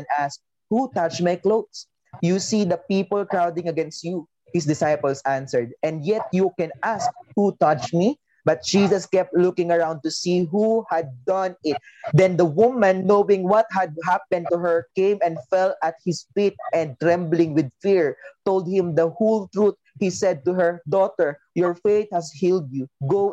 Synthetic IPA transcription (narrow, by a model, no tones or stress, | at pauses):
nʔask̚ | hut̪at͡ʃmajkloʊd̪s | jusid̪ɐpipəlˠkɹawd̪ɪ̃ŋɐɡɛ̃nst̪ju | hɪsd̪ɪsajpəlsʔãnsɛɹd̪ɛ̃nd̪jɛt̪̚jukɛ̃nʔask̚hut̪at͡ʃmi | bɐt̪̚d͡ʒ̥iːsɐskɛp̚t̪lʊkɪ̃ŋɐɹãw̃nd̪̚t̪ʊsiɦuhæd̪̚ːʌ̃nɪt̪̚d̪ɛ̃nd̪ɐwʊmãnːowɪ̃ŋwʌt̪̚hɐd̪̚ɦap̚ɛ̃n̚t̪uɦəɹkẽɪ̃mɛ̃nfɛlɐt̪̚hɪsfit̪̚ʔɛ̃nd̪̚t̪ɹɛ̃mblɪ̃ŋwɪd̪̚fiɹt̪olˠd̪̚hɪ̃md̪ɐhult̪ɹut̪̚hisɛd̪̚t̪uɦə˞d̪ɔt̪ɛɹ | jɔɹfeɪt̪̚hæshild̪̚juɡo